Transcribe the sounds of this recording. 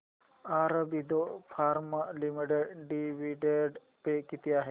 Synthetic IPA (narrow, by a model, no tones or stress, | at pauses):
aːɾɐbid̪opʰaːɾmalimiɖeɖɖiʋiɖeɖ | pekit̪iaːɦe